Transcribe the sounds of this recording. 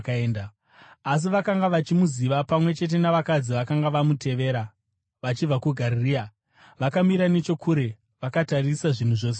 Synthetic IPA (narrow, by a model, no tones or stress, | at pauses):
kaeːnda | as̬iʋakaŋɡaʋat͡ʃimuziʋapamwe̞t͡ʃe̞t̬e̞naʋakad͡ziʋakaŋɡaʋamute̞ʋe̞ːɾa | ʋat͡ʃib͡vakuɡʱaririːa | ʋakamiɾane̞t͡ʃo̞kʰuɾe̞ | ʋakatarisaʐin̤uʐo̞ːs̬e